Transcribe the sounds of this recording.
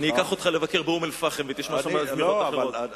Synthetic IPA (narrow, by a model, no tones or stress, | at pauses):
niikaχo̞t̪χalevakeʁbeumelfaχemvet̪iʃmaazmioto